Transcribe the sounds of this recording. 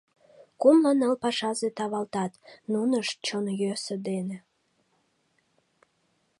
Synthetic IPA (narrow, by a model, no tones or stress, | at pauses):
kumlənəlpɑʃɑzet̪ɑβɑlt̪ɑt̪nunəʃt͡ɕonjøsəd̪ene